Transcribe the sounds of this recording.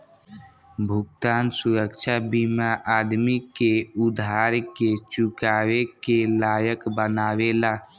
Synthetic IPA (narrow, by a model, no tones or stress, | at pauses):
bʱʊkt̪aːnsuɾəkt͡ʃʰabimaʔaːd̪mikeud̪ʱaːɾket͡ʃukaːwekelaːjəkbənaːwelaː